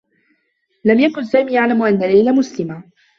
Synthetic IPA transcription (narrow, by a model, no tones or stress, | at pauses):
lamjakʊnsaːmiːjaʕlamʔanːalːajlamʊslɪma